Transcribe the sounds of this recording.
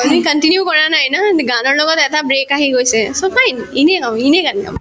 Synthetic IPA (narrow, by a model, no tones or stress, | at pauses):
mikɐnʈinjukɔɾaːnaːjinaɡaːnolokot̪ɛt̪ʰabɾeːkaːɦiɡojsesoːfajnineːkãineːkɐnia̰m